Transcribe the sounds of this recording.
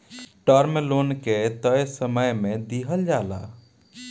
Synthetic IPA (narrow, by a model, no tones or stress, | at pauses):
ʈəɾmelonket̪əjsəməjmed̪iɦəld͡ʒala̰